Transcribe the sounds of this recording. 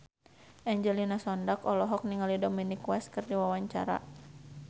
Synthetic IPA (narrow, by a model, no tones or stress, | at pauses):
ʔɛɲd͡ʒɛlinasɔndakɔlɔɦɔk̚niŋalidɔminikwɛskɨrdiwawaɲt͡ʃa̰ɾa̰